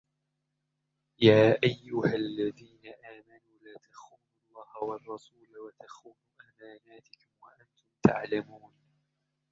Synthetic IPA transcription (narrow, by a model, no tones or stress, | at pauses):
jaːʔajːʊhalːaðiːnaʔaːmanuːlaːt̪axuːnuɑlˤːɑːhawɑrˤːɑsuːlwat̪axuːnuːʔamaːnaːt̪ɪkʊmwaʔant̪ʊmt̪a̰ʕlamuːn